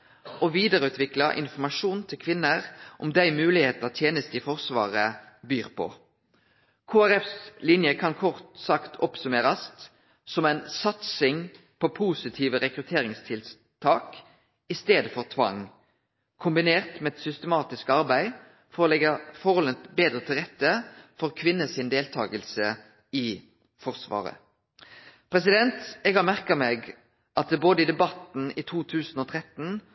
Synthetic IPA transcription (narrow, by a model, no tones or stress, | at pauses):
ʔɔʋiːd̪əʁəʉːt̪ʰʋɪklɑʔɪ̰nfɔmɑʂuːnt̪ʰɪlkʰʋɪnːəʁʔɔmd̪æɪmʉːlɪheːt̪əʁt̪ʰjeːnəst̪ɪfɔʁsʋɑ̰ːʁəbyːʁpʰɔ̰ | kʰoːæɾɛfslɪnjəkʰɑnkʰɔʁt̪sɑkt̪ʰɔ̰psʉmeːɾɑs | sɔmæɪnsɑt̪sɪŋ | pʰopʰuːsɪt̪ʰiːʋəʁɛkʁʉt̪ʰeːʁɪŋst̪ʰɪl | t̪ʰɑːk | ɪst̪eːd̪əfɔʁt̪ʰʋɑ̰ŋ | kʰʊmbɪneːʁt̪mɛɛt̪sʏst̪əmɑːt̪ɪskəɑʁbæɪ | fɔʁolɛɡɑfɔʁɔlət̪beːd̪ɾət̪ʰɪlʁɛt̪ːəfɔʁkʰʋɪnːəsɪnd̪eːlt̪ʰɑ̰ːɡəlsə | ɪ | fɔʁsʋɑ̰ːʁə̰ | pʰʁɛs̬ɪd̪ɛnt̪ɛɡhɑʁmæʁkɑmeːɡ | ʔɑt̪̚d̪ɛboːd̪əɪd̪ɛbɑt̪n̩iːt̪ʰuːt̪ʰʉːsn̩oːt̪ʰʁɛt̪n̩